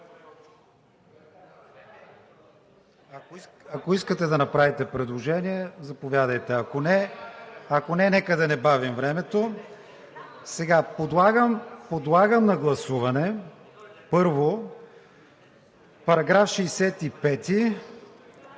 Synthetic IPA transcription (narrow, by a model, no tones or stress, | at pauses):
ɐkoiskət̪ɛd̪ɐnɐpɾavit̪ɛpɾɛd̪lˠoʒɛniɛzɐpovʲjad̪ɐjt̪ɛɐkonɛ | ɐkonɛnɛkəd̪ɐnɛbavimvɾɛmɛt̪o | sɛɡapod̪lˠaɡəmpod̪lˠaɡəmnɐɡlˠɐsuvɐnɛ | pɤɾvo | pɐɾɐɡɾafʃɛjsɛt̪ipɛt̪i